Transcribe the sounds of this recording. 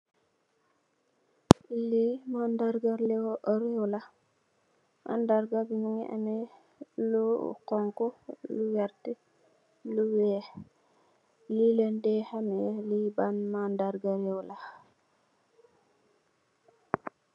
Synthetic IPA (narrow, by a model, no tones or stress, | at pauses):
limandaɾɡaɾleɾewla | ʔa̰ndaɾɡabiɲiŋiʔa̰mɛ | lukɔŋkɔluwaɾti | luwɛ | lilendɛhamɛlibanmandaɾɡaɾɛwla